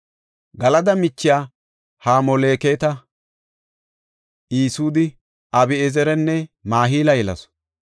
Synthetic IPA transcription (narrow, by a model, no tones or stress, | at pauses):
ɡɐlɐd̪ɐmɪt͡ʃːɪjaː | haːmɔle̞ːkeːt̪ɐ | iːsuːd̪ɪ | ʔɐbɪɛzɛɾɛnːɛmaːɦiːlɐjɛlɐ̰s